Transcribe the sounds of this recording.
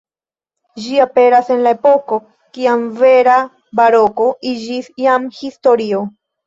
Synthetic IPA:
d͡ʒiape̞ɾase̞nlae̞po̞ko̞ | kiamve̞ɾa | baɾo̞ko̞id͡ʒisjamhisto̞ɾio̞

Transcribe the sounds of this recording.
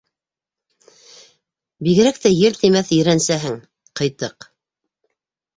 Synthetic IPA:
biɣɘ̆ɾæk̚t̪æjɘlt̪imæθɵ̆jɾænsæɦɘŋ | qɤ̆jt̪ːɤq

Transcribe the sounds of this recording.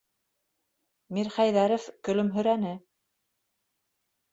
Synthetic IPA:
miɾχæjðæɾɘ̆fkɵ̆lɵmɦɵ̆ɾænɘ

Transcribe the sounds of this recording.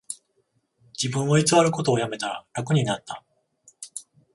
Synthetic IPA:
d͡ʑibɯ̟̃ɰ̃βait͡sɨβaɾɯ̟ko̞t̪o̞ːjame̞t̪aɾa̰ɾakɯ̟ɲ̟inat̪ːa

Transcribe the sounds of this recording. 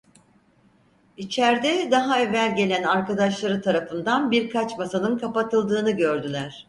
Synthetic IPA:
it͡ʃʰæɾd̪ɛd̪aɦaevælʲɟe̞lʲænaɾkad̪aʃlˠaɾɯt̪ʰaɾafɯnd̪anbiɾkʰat͡ʃmasanɯnkʰapat̪ʰɯlˠd̪ɯːnɯɟø̞ɾd̪ylʲæɾ̥

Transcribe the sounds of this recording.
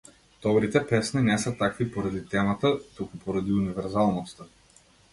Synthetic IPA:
t̪ɔbɾit̪ɛpɛsninɛsat̪akvipɔɾad̪it̪ɛmat̪at̪ukupɔɾad̪iunivɛɾzalˠnɔst̪a

